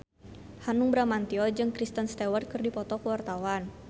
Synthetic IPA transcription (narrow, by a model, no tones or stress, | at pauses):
hanuŋbɾamant̪iɔd͡ʒɨŋkɾist̪ənst̪ɛwart̪̚kɨrdipɔt̪ɔkəwart̪awan